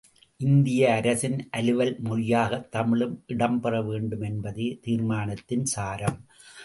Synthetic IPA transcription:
ʔɪnd̪ɪjɐːɾɐsɪnʔɐlɯʋɐlmʊɻɪjaːɣɐt̪ːɐmɪɭɯmʔɪɽɐmpɐrɐʋeːɳɖɯmɛnbɐðeːt̪iːɾmaːnɐt̪ːɪnsaːɾɐm

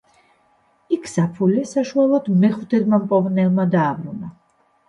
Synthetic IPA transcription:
ikʰsapʰulɛsaʃualˠɔd̪mɛχut̪ʰɛd̪mampʼɔvnɛlˠmad̪aːbɾuna

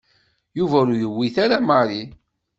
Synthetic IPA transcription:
juvæɾujəwːiθaɾamaɾi

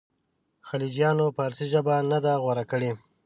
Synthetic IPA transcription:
xalid͡ʒjɑnopəaɾsiʒəbanad̪aɣwaɾakəɽe

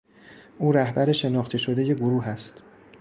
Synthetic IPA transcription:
ʔuːɾæhbæɾe̞ʃe̞nɒːχt̪ʰeʃo̞d̪e̞je̞ɡoɾuːɦæst̪

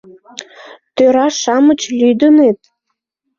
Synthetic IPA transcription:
t̪øɾɑʃɑmət͡ɕlyd̪ənet̪̚

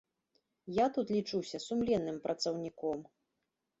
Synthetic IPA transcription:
jat̪ut̪lʲit͡ʂuwsʲɐsumlʲɛnːɨmpɾʔɐt̪sɐwnʲikɔm

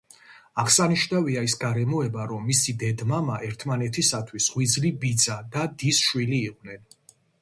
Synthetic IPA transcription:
aʁsaniʃnaviaisɡaɾɛmɔɛbaɾɔmːisid̪ɛd̪mamaʔɛɾt̪ʰmanɛt̪ʰisat̪ʰwisʁwid̪zlibid̪zad̪ad̪isʃwiliːqʼnɛn

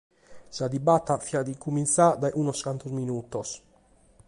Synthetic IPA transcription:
sad̪ibat̪ːafiad̪ikumint̪sad̪aʔunɔskant̪ɔzminuːt̪ɔs

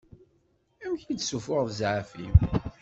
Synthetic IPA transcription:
æmçid̪sufʊʁðzʕafḭm

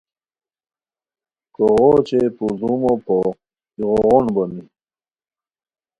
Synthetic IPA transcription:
koʁot͡ɕepuzumopʰo | iɣoʁonbɐmi

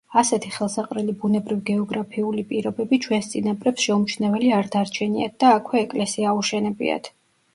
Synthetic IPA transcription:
asɛt̪ʰiχɛlˠsaqʼɾɛlibunɛbɾivɡɛɔɡɾapʰiulipʼiɾɔbɛbit͡ʃʰwɛnst̪sʼinapʼɾɛpsʃɛumt͡ʃʰnɛvɛliaɾd̪aɾt͡ʃʰɛnia̰t̪̚d̪̥aːkʰwɛːkʼlɛsiaːuʃɛnɛbḭa̰t̪ʰ

